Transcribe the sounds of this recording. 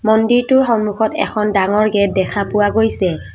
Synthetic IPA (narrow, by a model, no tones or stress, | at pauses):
mɔndiɹtʊɹxɔɹmuxʰɔtɛ̰kʰɔndaŋɔɹɡɛt̚dɛkʰapʊwaɡojsɛ